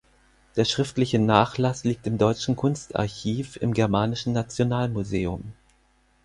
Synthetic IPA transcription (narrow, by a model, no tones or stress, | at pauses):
d̥eːɐʃʁ̥ɪftlɪçənaːχlasliːk̚tɪmdɔʏt͡ʃn̩kʰʊnsta̰ɐçiːfɪ̰mɡɛɐmaːnɪʃn̩nat͡sjonaːlmuzeːʊm